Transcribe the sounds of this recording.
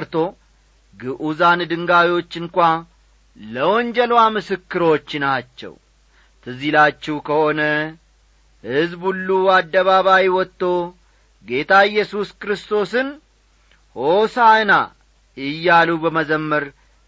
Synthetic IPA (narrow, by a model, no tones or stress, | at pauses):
ɾt̪ʰo̞ | ɡɨʔuzand̪ɨŋɡawiwo̞t͡ʃːɨŋkʷa | ləwɔnd͡ʒɛlwamɨsɨkːɨɾot͡ʃːnat͡ʃːɛ̰w | t̪ʰɨzilat͡ʃːɛwkʰəho̞nə | hɨzbulːuad̪ːəβaβajwɔt̪ːo̞ | ɡe̞t̪ʰaɪjːɛsuskɨɾɨst̪ʰo̞sɨn | hosaɨna | ɪjːalubəməzəmːəɾ